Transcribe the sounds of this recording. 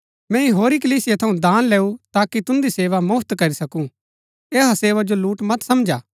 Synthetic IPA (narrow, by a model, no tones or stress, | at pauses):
mɛ̃ːĩɦoːɾik̬ɐliːsɪjet̪ʰɐũd̪aːnlɛːut̪aːkit̪ʊ̃nd̪iseːʋamʊpʰt̪kɐɾisɐkũ | eːɦaseːʋad͡ʒoluːʈmɐt̪sɐmd͡ʒaː